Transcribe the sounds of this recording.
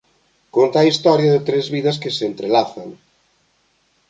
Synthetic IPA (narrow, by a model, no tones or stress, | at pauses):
kont̪aːist̪ɔɾjɐðɪt̪ɾezβiðɐs̬kɪseent̪ɾelaθɐŋ